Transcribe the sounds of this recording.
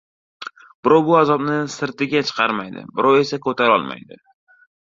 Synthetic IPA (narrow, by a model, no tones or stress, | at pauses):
b̥ɪɾɒwbʊazɒbnɪsɪɾt̪ɪɡʲat͡ʃʰɨ̥qʰɑɾmajd̪ɪ̰bɪɾɒwe̞sakʰɵt̪ʰaɾɒ̰lˠma̰jd̪ɪ